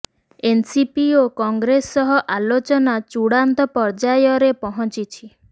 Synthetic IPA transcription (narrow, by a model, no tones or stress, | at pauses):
ensipiokɔŋɡɾesːɔɦɔʔalot͡ʃɔnat͡ʃuɽant̪ɔpɔɾd͡ʒajɔɾepɔɦɔ̃nt͡ʃit͡ʃʰi